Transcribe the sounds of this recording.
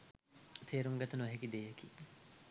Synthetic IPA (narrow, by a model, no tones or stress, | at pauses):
t̪ʰeːɾuŋɡɐt̪unuʋɐɦekid̪eːeki